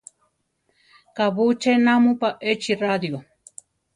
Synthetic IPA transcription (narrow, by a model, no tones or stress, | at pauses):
kaβut͡ʃenamupaʔet͡ʃirad̪jo